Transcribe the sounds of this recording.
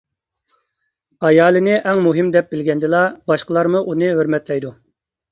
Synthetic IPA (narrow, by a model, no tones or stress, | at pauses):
ɑjɑːlˠɨnɪʔɛŋmuɦɪmd̪ɛp̚bɪlɡʲɛnd̪ɪlˠɑbɑʃqəlˠɑɾmuʔunɨɦøɾmɛt̪lɛjd̪u